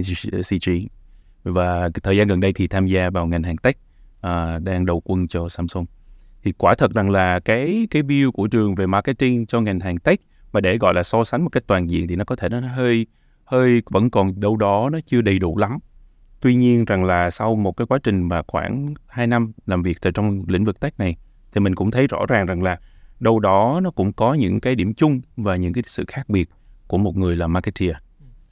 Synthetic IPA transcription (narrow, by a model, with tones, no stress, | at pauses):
si˧t͡ɕi˧ | vaː˨˩t̪ʰəː˨˩jzaː˧ɣə˨˩nɗə˧jt̪ʰi˨˩t̪ʰaː˧mzaː˧vaː˨˩wŋa˨˩jŋ̟ɦaː˨˩ŋt̪a˦˥k̟̚ | ʔəː˨˩ɗaː˧ŋɗə˨˩wkwə˧nt͡ɕɔ˧saː˧mso˧m | t̪ʰi˨˩kwaː˧˩t̪ʰə˨˩t̚za˨˩ŋlaː˨˩kaː˨˦jkaː˨˦jvi˧əwku˧˩ət͡ɕɨ˨˩əŋve˨˩ma˧kə˨˧t̚t̪i˧ŋt͡ɕɔ˧ŋa˨˩jŋ̟ɦaː˨˩ŋt̪a˦˥k̟̚ | maː˨˩ɗe˧˩ɣɔ̰˧˨jlaː˨˩sɔ˧sa˨˦ŋmo˨˩t̚ka˦˥k̚t̪waː˨˩nzḭ˧˨ənt̪ʰi˨˩nɔ˨˦kɔ˨˦e˧˩nɔ˨˦˨ɦəː˧j | həː˧jvə̰˧˥nkɔ˨˩nɗə˧wɗɔ˨˦nɔ˨˦t͡ɕɨ˧əɗə˨˩jɗṵ˧˩la˨˦m | t̪wi˧ɲi˧ənza˨˩ŋlaː˨˩sa˧wmo˨˩t̚kaː˨˦jkwa˨˦t͡ɕï˨˩ŋ̟maː˨˩xwa̰ː˧˩nhaː˧jna˧mlaː˨˩mvi˨˩ək̚t̪əː˨˩jt͡ɕɔ˧wŋ͡mlḭ˧˥ŋ̟vɨ˨˩k̚t̪a˦˥jk̚na˨˩j | t̪ʰi˨˩mï˨˩ŋ̟kʊ̰˧˥ŋ͡mt̪ʰə˨˦jzɔ̰˧˥zaː˨˩ŋza˨˩ŋlaː˨˩ɗə˧wɗɔ˨˦nɔ˨˦kʊ̰˧˥ŋ͡mkɔ˨˦ɲɨ̰˧˥ŋkaː˨˦jɗi˧˩əmt͡ɕʊ˧ŋ͡mvaː˨˩ɲɨ̰˧˥ŋkaː˨˦jjsɨ̰˧˨xaː˦˥k̚ɓi˨˩ət̚ku˧˩əmo˨˩t̚ŋɨ˨˩əjlaː˨˩maː˧kɛ˧tʰi˧ə˧